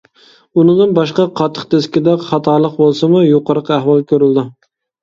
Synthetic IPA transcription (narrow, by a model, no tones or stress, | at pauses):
unɨd̪ɨnbɑʃqɑqʰɑt̪ʰːə̥qt̪ʰeskʲɪd̪ɛχɑt̪ʰɑɾlˠəq̚bolˠsɨmujoqəɾəqæhwɑlˠkʲʰøɾɪld̪ɪ